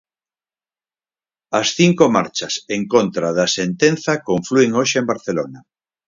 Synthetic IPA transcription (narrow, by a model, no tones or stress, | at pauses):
ɐsθiŋkomaɾt͡ʃɐseŋkont̪ɾaðɐsent̪enθɐkoɱflueŋoʃeembaɾθelona